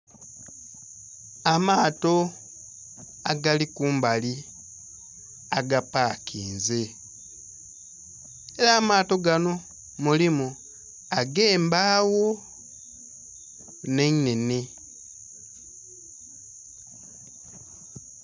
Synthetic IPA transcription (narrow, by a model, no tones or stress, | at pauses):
amaːto̞ | aɡalikuːmbali | aɡapaːkʰiːnze | eɾaːmaːto̞ɡano̞ | mulimu | aɡe̞ːmbaːwo̞ | ne̞nene